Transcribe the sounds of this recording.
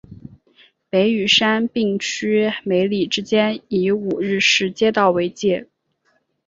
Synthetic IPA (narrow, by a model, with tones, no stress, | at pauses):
pe˧˥ɪy˨˩ʂa˥npi˥˩ŋt͡ɕʰy˥me˧˥ɪli˨˩ʈ͡ʂɻ̩˥t͡ɕjɛ˥ni˧˥u˨˩ɻɻ̩˥˩ʂɻ̩˧˥t͡ɕjɛ˥t̪ɑ˥˩ʊwe˧˥ɪt͡ɕjɛ˥˩